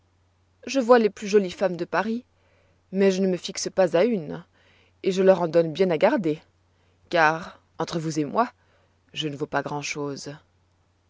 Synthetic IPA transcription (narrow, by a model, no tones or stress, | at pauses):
ʒəvwaleplyʒɔlifamd̪əpaʁi | mɛʒənəməfiksəpazayn | eʒəlœʁɑ̃d̪ɔnbjɛ̃naɡaʁd̪e | kaʁ | ɑ̃t̪χəvuzemwa | ʒənəvopaɡʁɑ̃ʃoːz